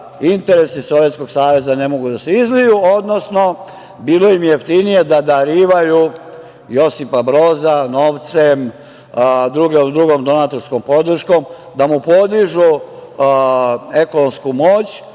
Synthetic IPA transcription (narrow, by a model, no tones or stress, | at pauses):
int̪e̞ɾe̞siso̞ʋjet̪sko̞ɡ̥saːʋe̞zane̞mo̞ɡud̪aseizlijuo̞d̪no̞sno̞ | biːlo̞imjjeft̪inije̞d̪ad̪aɾiːʋaju | jo̞sipabɾo̞ːzano̞ːʋt̪sem | d̪ɾuɡomd̪ɾuɡo̞md̪o̞nat̪o̞ɾsko̞mpo̞d̪r̩ʃko̞m | d̪amupo̞d̪iʒu | e̞ko̞no̞mskumo̞ːt͡ɕ